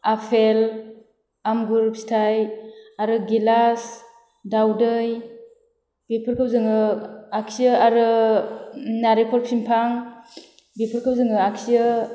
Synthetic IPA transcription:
apʰel | amɡuɾp̚si̥tʰajaɾɯɡilas | dawdɯj | bepʰɯɾkʰɯp̚zɯŋɯakʰsiɯaɾɯ | naɾipʰɔɾpʰimpʰaŋ | bepʰɯɾkʰɯp̚zɯŋɯaksijɯ

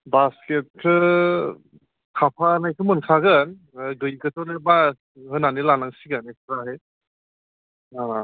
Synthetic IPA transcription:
basket̚kʰɯ | kʰapʰanajkʰɯmɯnkʰaɡɯn | ɡɯjkɯtʰɔneba | hɯnanilanaŋsiɡɯneksɾaɦe | a

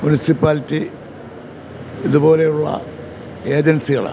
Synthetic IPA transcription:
munisipːaːlitːi | iðubo̞ːle̞juɭːɐ̰ | e̞ːd͡ʑɐnsiɣɐ̰ɭa̰ː

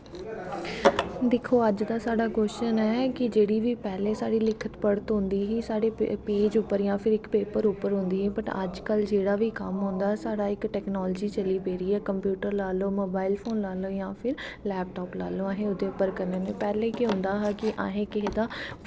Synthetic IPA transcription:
d̪ɪkʰːoːəd͡ʒd̪aːsaːɽaːɡoːʃʃənɛːkɪd͡ʒeːɽiːʋiːpɛːlẽːsaːɽiːlɪkʰət̪pəɽət̪ɦʊ̃nd̪iːɦiːsaːɽeːpeːd͡ʒʊpːəɾjãːpʰɪɾɪkpeːpəɾʊpːəɾɦʊ̃nd̪iːɛːbəʈə̰d͡ʒkəld͡ʒeːɽaːʋiːkə̰mɦõnd̪aːsaːɽaːɪkʈɛːknɔːld͡ʒiːt͡ʃəliːpeːɾiːɛːkəmpjuːʈəɾlaːloːmoːbaːɪlpʰoːnlaːloːjãːpʰɪɾlɛːp̚ʈɔːplaːloːãːɦẽːʊd̪eːʊpːəɾkəɾneːneːpɛːleːkiɦʊ̃nd̪aːɦaːkɪʔã̰ːɦẽːkɪɦed̪aː

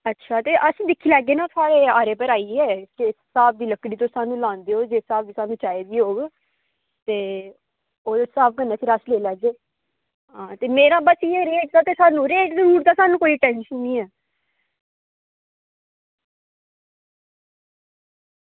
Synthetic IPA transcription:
ətːʃʰaːt̪eːʔəsĩːd̪ɪkʰːiːlɛːɡeːnãːt̪ʰʊaːɽeːaːɾeːpəɾaːiːɦɛːkɪsaːb̚d̪iːləkɽiːt̪̬õːsaːnũːlãːnd̪eːoːd͡ʒeːsaːb̚d̪iːsaːnũːt͡ʃaːeːbiːɦoːɡ | t̪eː | oːesaːp̚kənːeːəsĩːɾəsleːlɛːɡeː | ɦãːt̪eːmeːɾãːbəsieɾeːʈ̚d̪aːt̪eːsaːnũːɾeːʈd̪iɦuːʈd̪aːsaːnũːkoːiːʈɛ̃ːnʃənːĩːɛː

